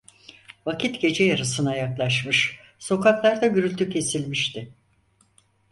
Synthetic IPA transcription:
vacʰit̪ɟe̞d͡ʒɛjaɾɯsɯnajaklˠaʃmɯʃ | so̞kʰaklˠaɾd̪aɟyɾylʲt̪ʰycʰe̞silʲmiʃt̪ʰɪ

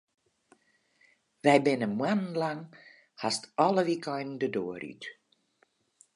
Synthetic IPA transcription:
ʋɛjbɪnəmwann̩laŋ | hastɔləʋikɔjnn̩dədoəry̰t

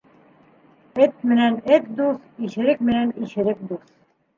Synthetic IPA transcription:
ɘt̪̚mɘ̆nænɘt̪̚d̪uθiʃɘ̆ɾɘk̚mɘ̆næniʃɘ̆ɾɘk̚d̪uθ

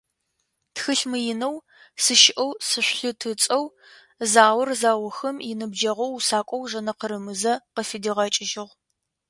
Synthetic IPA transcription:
txɨɬmɨjɪnɐw | sɨʃɪʔɐwsɨɕʷɬɨtʰɨt͡sʼɐw | zaːwʊrzaːwɐxɐmjɪnɨbd͡ʒɐʁɐwsaːkʷʼɔwʒɐnɐqəɾɨmɨzɐqəfidiʁɐt͡ʃʼɪʒɪʁ

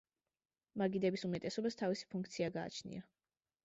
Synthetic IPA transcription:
maɡid̪ɛbisumɛt̪ʼɛsɔbast̪ʰavisi̥pʰuŋk̚ʰt̪sʰiaɡa̰ːt͡ʃʰnḭa

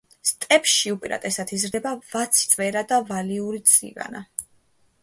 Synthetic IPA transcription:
st̪ʼɛpʃiupʼiɾa̰t̪ʼɛsat̪ʰizɾd̪ɛbavat̪sʰi̥t̪sʼvɛɾad̪avaliuɾit̪sʼḭva̰na

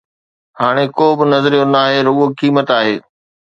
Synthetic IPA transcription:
haːɽ̃ekoːbɪnɐzɾijonaːɦeɾʊɠokiːmət̪aːɦeː

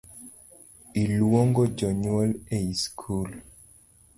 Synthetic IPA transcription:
ilwɔŋɡɔd͡ʒɔɲuwɔleiskʰul

